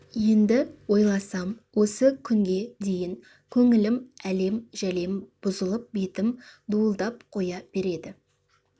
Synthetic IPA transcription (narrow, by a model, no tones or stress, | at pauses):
je̞nd̪ɪwo̞jlˠɑsɑmwo̞səkʲʰʏŋɡʲe̞d̪e̞jɪŋ | kʲʰɵŋɪlɪmæle̞mʒ̥æle̞mb̥ʊzəlˠəp̚be̞t̪ɪmd̪uəlˠd̪ɑp̚qʰo̞jɑb̥e̞ɾe̞d̪ɪ